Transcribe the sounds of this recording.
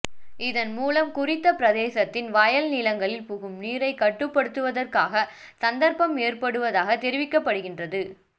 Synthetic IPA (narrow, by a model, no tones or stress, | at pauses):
ɪðɐnmuːlɐmkʊrɪt̪ːɐpɪɾɐðeːsɐt̪ːɪnʋaːjɐlnilɐŋɡɐɭɪlpʊɣɯmniːɾɐɪkːɐʈːɯpːɐɽɯt̪ːɯʋɐðɐrkaːɣɐ | sɐnd̪ɐɾpɐmeːrpɐɽɯʋɐðaːɣɐt̪ːɛɾɪʋɪkːɐpːɐɽɯɣɪndrɐðɯ